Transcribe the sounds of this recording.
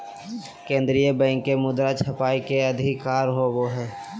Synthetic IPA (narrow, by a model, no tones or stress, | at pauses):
kẽːnd̪ɾijəbɛ̃ːŋkːemʊd̪ɾat͡ʃʰɐpaːikeɐd̪ʱɪkːaːɾɦoʋoɦɛː